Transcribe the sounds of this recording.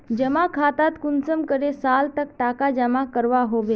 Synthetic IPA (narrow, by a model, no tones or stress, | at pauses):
d͡ʑəmakʰat̪at̪kunsəmkəɾesalt̪əkʈakad͡ʒəmakəɾʋaɦoʋe